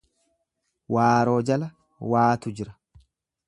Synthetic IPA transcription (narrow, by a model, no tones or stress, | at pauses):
waːɾo̞ːd͡ʒɐlɐ | waːt̪ʊd͡ʒɪɾɐ